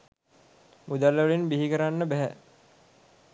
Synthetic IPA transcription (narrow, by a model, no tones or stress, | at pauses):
mud̪aləʋɐɭinbiɦikəɾanːəbæɦæ̰